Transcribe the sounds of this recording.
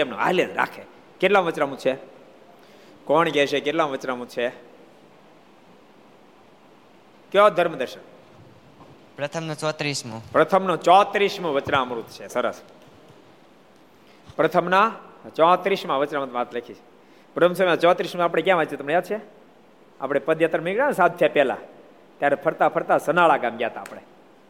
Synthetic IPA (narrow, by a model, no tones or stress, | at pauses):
emno̰a̰lənɾa̰kʰe | keʈlaʋət͡ʃnãmũt͡ʃʰe | kɔɳɡɛʃʰekeʈlamʋət͡ʃnamũt͡ʃʰe | kjɔd̪ʱəɾmd̪əɾʃən | pɾət̪ʰəmnot͡ʃɔt̪ɾismũpɾət̪ʰəmnõt͡ʃɔt̪ɾiʃmũʋət͡ʃnaəmɾut̪t͡ʃʰesəɾəs | pɾət̪ʰəmnat͡ʃɔat̪ɾiʃmãʋət͡ʃnamɾut̪ʋat̪ʰlekʰit͡ʃʰe̥ | bɾəms̬ɔmat͡ʃɔ̃at̪ɾiʃmaːp̬ɽ̃ekjãʋad͡ʒt͡ʃit̪əmɳejad̪̚t͡ʃʰe | a̰pɽ̃epəd̪jat̪ɾəmiɡɽansad̪ʰjapɛla̰ | t̪jaɾepʰəɾt̪apʰəɾt̪asənaɭaɡamɡjat̪aːpɽe